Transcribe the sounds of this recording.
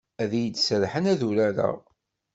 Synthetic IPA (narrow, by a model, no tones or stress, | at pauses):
æðjəd̪səɾħənæðuɾæɾə̰